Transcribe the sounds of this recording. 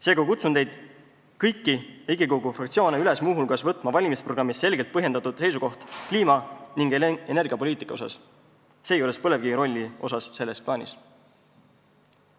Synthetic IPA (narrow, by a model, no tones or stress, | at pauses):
se̞ːɡɑkut̪sund̪̥e̞jd̪̥ | kɤjkːieiɡikoɡufrɑkt̪sio̞ːneylesmuːɦulkɑsvɤt̪ːˑmɑvɑlʲimispro̞ɡɾɑmːisːe̞lɡ̥e̞lt̪̚pɤɦjed̪ɑt̪ud̪̥se̞jsuko̞ht̪kliːmɑniŋɡ̥ee̞nerɡ̥iɑpoliːt̪ˑikːˑɑo̞sɑ̰s | se̞ːjo̞lespɤle̞vɡ̥iɾo̞lʲːio̞sɑsse̞lːe̞splɑːnʲḭs